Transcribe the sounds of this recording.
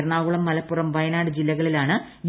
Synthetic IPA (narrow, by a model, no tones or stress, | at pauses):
ɾɳaːʋuɭɐmːɐlɐpːurɐmʋɐjɐnaːɽɨd͡ʑilːɐɣɐɭilaːɳɨ | j